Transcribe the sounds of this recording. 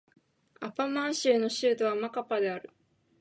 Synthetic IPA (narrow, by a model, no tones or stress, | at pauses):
apamãɰ̃ɕɨːno̞ɕɨːt̪o̞βamakapad̪e̞aɾɯ̟